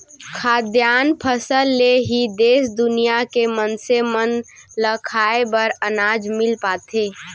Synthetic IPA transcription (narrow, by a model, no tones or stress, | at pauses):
kʰaːd̪jaːnpʰəsəlːeɦid̪eːsd̪ʊnijakemənsemən | ləkʰaːebəɾənaːd͡ʒmɪlpaːt̪ʰeː